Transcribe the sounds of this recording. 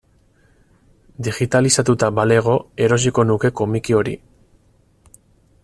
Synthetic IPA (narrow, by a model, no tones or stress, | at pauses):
d̪iɣit̪alisat̪ut̪abale̞ɣ̞o̞e̞ɾo̞s̬iko̞nuke̞ko̞mikio̞ɾḭ